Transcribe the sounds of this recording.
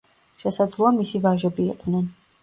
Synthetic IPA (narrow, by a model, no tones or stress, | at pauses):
ʃɛsad̪zlˠuamisivaʒɛbiːqʼnɛn